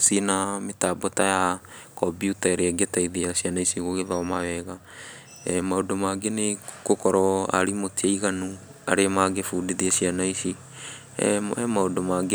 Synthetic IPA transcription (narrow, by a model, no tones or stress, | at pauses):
sinametaːbɔtaja | kɔbjutaeɾeaɡetaiðiasianaisiɣoɣeðaɔmawɛɣa | ɛmaodomaɡenekokɔɾɔa̰ɾimotiaiɣanu | a̰ɾeamaɡefuːdiðiasianaisḭ | ɛmaodomaɡe